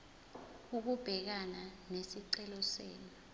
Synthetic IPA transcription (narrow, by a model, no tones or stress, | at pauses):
uk̬ub̥ʱɛk̬ananesiǀɛlɔseːni